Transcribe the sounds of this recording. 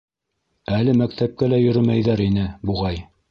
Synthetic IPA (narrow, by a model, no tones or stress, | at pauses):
ælɘmækt̪æp̚kælæjɵ̆ɾɵmæjðæɾinɘbuʁɑj